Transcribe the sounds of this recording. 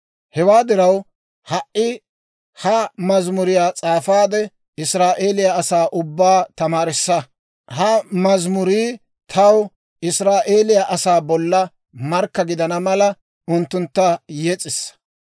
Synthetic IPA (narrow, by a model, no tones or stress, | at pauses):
hɛwaːd̪ɪɾɐw | hɐʔːɪ | hɐmɐzmʊɾɪjaːt͡sʼaːfaːd̪ɛ | ɪsɾaːʔeːlɪjaɐsaːʔʊbːaːt̪ɐmaːɾɪsːɐ | hɐmɐzmʊɾiː | t̪ʰɐw | ɪsɾaːʔe̞ːlɪjaʔɐsaːbɔlːɐ | mɐɾkːɐɡɪd̪ɐnɐmɐlɐ | ʊnt̪ːʊnt̪ːɐjɛt͡sʼːɪsː